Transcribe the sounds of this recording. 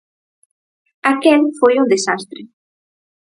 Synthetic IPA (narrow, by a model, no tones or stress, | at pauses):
akɛlfojund̪esast̪ɾe